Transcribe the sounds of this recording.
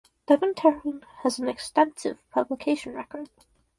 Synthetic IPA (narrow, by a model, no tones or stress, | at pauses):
d̥ɛvɨ̃ntʰɛɹ̃nəzn̩ɨkstɛ̃nsɨ̰v̥pʰʌbləkʰeɪʃn̩ɹɛ̰kə˞d̥̚